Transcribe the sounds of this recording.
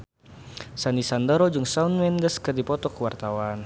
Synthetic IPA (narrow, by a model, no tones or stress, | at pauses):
sanisand̪ɔɾɔd͡ʒɨŋsaunmɛndəskɨrdipɔt̪ɔkəwart̪awan